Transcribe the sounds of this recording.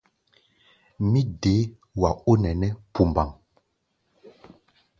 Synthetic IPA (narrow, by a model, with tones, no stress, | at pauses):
mi˦de˨˦ | wa˨o˦nɛ˨nɛ˦pu˨mba˨ŋ